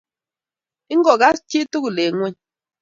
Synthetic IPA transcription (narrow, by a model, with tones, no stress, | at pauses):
i˦ŋ̩˦ɡɔ˨ɣa˦st͡ʃi˦tu˦ku˨le˨˦ŋwɛ˦˨ɲ